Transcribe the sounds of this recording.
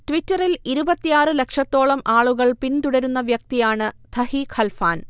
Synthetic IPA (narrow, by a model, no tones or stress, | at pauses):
tʋitːɐriliɾubɐt̪ːijaːrɨle̞kʂɐt̪ːo̞ːɭɐmʔaːɭuɣɐɭpint̪uɽɐɾunːɐʋjɐk̚t̪ijaːɳɨt̪ʰɐhikʰɐlfaːn